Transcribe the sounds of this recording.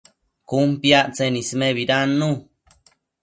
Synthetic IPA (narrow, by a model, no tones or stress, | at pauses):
kumpjaʔt͡senismeβiɾanːu